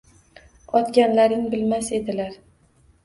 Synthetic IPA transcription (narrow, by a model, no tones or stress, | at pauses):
ɒt̪ɡʲanlaɾɪŋbɪlmase̞d̪ɪlaɾ